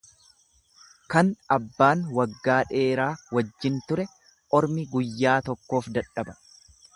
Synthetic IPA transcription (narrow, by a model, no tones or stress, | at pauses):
kɐnɐbːaːnwɐɡːaːᶑe̞ːɾaːwɐd͡ʒːɪnt̪ʊɾɛ | ʔɔɾmɪɡʊjːaːt̪ɔkːo̞ːfd̪ɐᶑɐbɐ̥